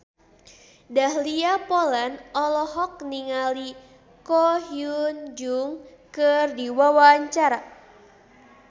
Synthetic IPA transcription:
dahliapolanɔlɔɦɔk̚niŋali | kɔhjund͡ʒuŋ | kɨrdiwawaɲt͡ʃaɾa

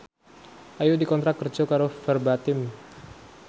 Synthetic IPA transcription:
ʔajudikɔnt̪ɾat̪̚kərd͡ʒɔkaɾofərbat̪ɪm

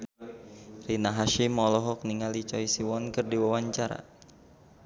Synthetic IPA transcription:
rinaɦaʃimɔlɔɦɔk̚niŋalit͡ʃɔisiwɔnkɨrdiwawaɲt͡ʃaɾa̰

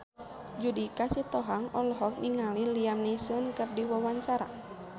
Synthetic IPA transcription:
d͡ʒudikasit̪ɔɦaŋɔlɦɔk̚niŋaliliamnisənkɨrdiwawaɲt͡ʃaɾa̰

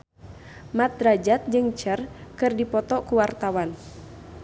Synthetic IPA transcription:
mat̪̚ɾad͡ʒat̪̚d͡ʒɨŋt͡ʃərkɨrdipɔt̪ɔkuwart̪awan

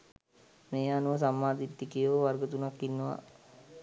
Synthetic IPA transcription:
meːaːnuʋəs̬amːaːd̪it̪ːikijʋəʋarɡət̪unakːinːəʋa̰

